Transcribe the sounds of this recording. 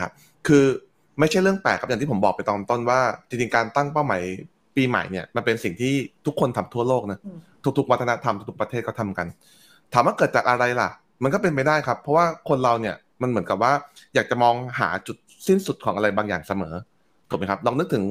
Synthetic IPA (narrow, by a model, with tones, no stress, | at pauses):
kʰa˦˥p̚ | kʰɯː˧ | ma˥˩jt͡ɕʰa˥˩jɾɯ˥˩əŋpɛː˨˩kʰa˨˦˥jaː˨˩t̪ʰiː˥˩o˩˦bɔː˨˩k̚pa˧jt̪ɔː˨˧nt̪o˥˩nwaː˥˩t͡ɕi˧ŋt͡ɕi˧ŋkaː˧nt̪a˥˩ŋpa˥˩wma˩˦j | piː˧ma̰˩˦jni˥˩ɐma˧npe˧nsi˨˩ŋt̪ʰiː˥˩t̪ʰu˦˥kʰːo˧nt̪ʰa˧mt̪ʰu˥˩ɐloː˥˩k̚na˦˥t̪ʰu˦˥kt̪ʰu˦˥kwa˦˥t̪ʰːa˧na˦˥t̪ʰa˧mtu˧˥˩t̪ʰu˥pɾt̪ʰeː˥˩t̪̚kːɔ˥˩t̪ʰa˧mka˧n | t̪ʰaː˩˦mwaː˥˩kɤː˨˩t̪̚t͡ɕaː˨˩k̚ʔa˧ɾa˧jla̰˨˩ʔ | ma˧nkɔː˥˩p̬e˧npa˥jdaː˥˩jkʰpʰːɔ˦˥waː˥˩kʰo˧nɾa˧wni˥˩ɐ | ma˧nmɯ˩˦nka˨˩p̚waː˥˩jaː˨˩k̚t͡ɕa˨˩mɔː˧ŋɦa̰ː˩˦t͡ɕu˨˩t̪̚si˥˩nsu˨˩t̪̚kʰɔː˩˦ŋʔa˧ɾa˧jbaː˧ŋjaː˨˩ŋsa˧mɤ̰ː˩˦ | u̥˨˩ma˦˥kʰa˦˥p̚ɾɔː˧ŋnɯ˦˥k̚t̪ʰɯ˩˦ŋ